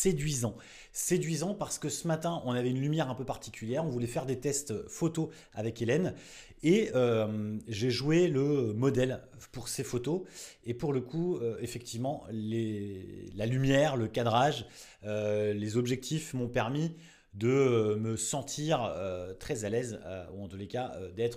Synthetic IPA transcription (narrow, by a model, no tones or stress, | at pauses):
sed̪ɥizɑ̃ | sed̪ɥizɑ̃paʁsə̥kəsəmat̪ɛ̃ʔɔ̃navɛynlymjɛʁɛ̃pøpaʁt̪ʰi̥kʲyljɛʁɔ̃vulɛfɛʁd̪et̪ɛst̪fot̪o | avɛkelɛn | eømʒeʒweləmɔd̪ɛl | puʁsefot̪oepuʁləkʰuøefɛk̚t̪ivmɑ̃le | lalymjɛʁləkad̪ʁaʒ | ølezɔbʒɛk̚t̪ifmɔ̃pɛʁmi | d̪əməsɑ̃t̪ʰiʁøt̪χɛzalɛzø̰uɑ̃t̪ulekaø̰d̪ɛt̪χ